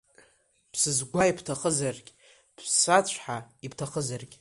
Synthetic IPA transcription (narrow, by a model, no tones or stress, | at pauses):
pʰsɨzɡʷaipʰtʰaχəzarɡʲʼ | b̥ʰsat͡ɕʷʰħaipʰtʰaχəzarɡʲʼ